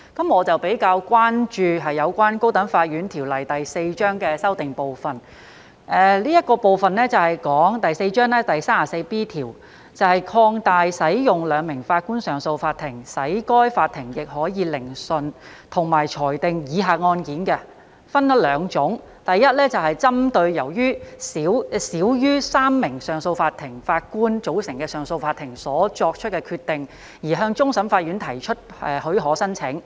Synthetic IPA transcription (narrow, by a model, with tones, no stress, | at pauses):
kɐ˨˦˥mŋɔː˨˧t͡sɐ˨wpe˨˥jkaː˧wkwaː˥nt͡ʃyː˧ɦɐ˨jːɐ˨˧wkʷaː˥nko˥wt̪ɐ˨˥nfaː˧t̚jyː˨˥nt̪ʰiː˨˩wlɐ˨˩jt̪ɐ˨jse˧jt͡ʃœː˥ŋkɛː˧sɐ˥wt̪ɪ˨ŋpo˨wfɐ˨n | ʔɛː˧liː˥jɐ˥t̚kɔː˧po˨wfɐ˨nlɛː˥t͡sɐ˨whɐ˨jkɔː˨˥ŋt̪ɐ˨jse˧jt͡ʃœː˥ŋlɛː˥t̪ɐ˨jsaː˥aː˨˩se˧piː˥t̪ʰiː˨˩w | t͡sɐ˨whɐ˨jkʰɔː˧ŋt̪aː˨jsɐ˨˥jjʊ˨ŋlœː˨˧ŋmɪ˨˩ŋfaː˧t̚kuː˥nsœː˨˩ŋso˧wfaː˧t̪ʰːɪ˨˩ŋsɐ˨˥jkɔː˥jfaː˧t̚t̪ʰːɪ˨˩ŋjɪ˨k̚hɔː˨˥jiː˨˧lɪ˨˩ŋsɵ˨nt̪ʰʊ˨˩ŋmaː˨˩jt͡ʃʰɔː˨˩jt̪ɪ˨ŋjiː˨˧˥ɦaː˨t̚ŋɔː˧nkiː˨˥nkɛ˧ | fɐ˥nt̪ɐ˥t̚lœː˨˧ŋt͡ʃʊ˨˥ŋ | t̪ɐ˨jːɐ˥t̚lɛː˥t͡sɐ˨whɐ˨jt͡sɐ˥mt̪ɵ˧ɥjɐ˨˩wjyː˥siː˨˥wsiː˨˥wjyː˥saː˥mːɪ˨˩ŋsœː˨˩ŋso˧wfaː˧t̪ʰɪ˨˩ŋfaː˧t̚kuː˥nt͡so˨˥wsɪ˨˩ŋkɛː˧sœː˨ŋso˧wfaː˧t̪ʰːɪ˨˩ŋsɔː˨˥t͡ʃɔː˧k̚t͡ʃʰɵ˥t̚kɛ˧kʰyː˧t̪ɪ˨ŋ | jiː˨˩ɦœː˧ŋt͡sʊ˥ŋsɐ˨˥mfaː˧t̚jyː˨˥nt̪ʰɐ˨˩jt͡ʃʰɵ˥t̚ | ɛː˨hɵ˨˥ɦɔː˨˥sɐ˥nt͡sʰɪ˨˥ŋ